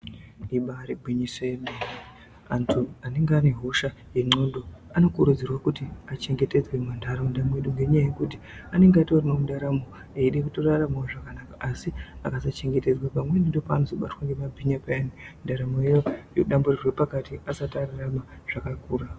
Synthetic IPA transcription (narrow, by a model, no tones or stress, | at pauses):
iɓaːɾibʱwiɲisojemberi | antʰuane̞ŋɡeaniɦo̞ʃa | je̞ŋ͡ǀo̞nɗoano̞kuɾud͡zirwakutiat͡ʃe̞ŋɡe̞te̞d͡zwe̞mandaramondamwe̞ɗuŋɡe̞ɲajajekut̬i | ane̞ŋɡato̞ramamundaɾamo | eiɗekutoraramawoʐakanakaʔasia̰kasat͡ʃe̞ŋɡe̞te̞d͡zwapamwenindo̞paːno̞zo̞ɓatwaŋɡe̞mabʱiɲapaanindaɾamojejojoɗamburirwe̞pakatiasatararamaʐ̥akakuːra